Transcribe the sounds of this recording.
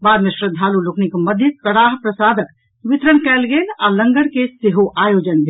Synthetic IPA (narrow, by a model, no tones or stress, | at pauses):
baːd̪mesɾəd̪ʱaːlulokʰnikemɐd̪ʱjəkəɽaːɦpɾəsaːd̪ək | ʋɪt̪ɾənkɛːlɡeːlalə̃ŋɡəɽkeseɦoʔaːjoːd͡ʒənbʱe